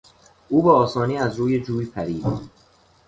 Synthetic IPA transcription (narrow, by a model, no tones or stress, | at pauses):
ʔuːbeːsɒːniːæzɾuːje̞d͡ʒuːjipʰæɾiːd̪